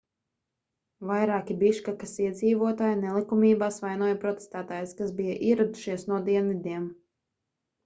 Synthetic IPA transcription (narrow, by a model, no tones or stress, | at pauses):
vajɾaːkʲibiʃkakasiɛd̪ziːvuɔt̪aːjinɛlˠikumiːbaːsvajnuɔjɐpɾɔt̪e̥st̪æːt̪aːjskasbijaʔiɛɾad̪u̥ʃiɛsnuɔd̪iɛnvʲid̪iɛm